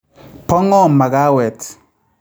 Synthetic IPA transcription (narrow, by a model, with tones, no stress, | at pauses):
pɔ˦ŋɔ˦˨ma˨ɡa˦wɛ˨t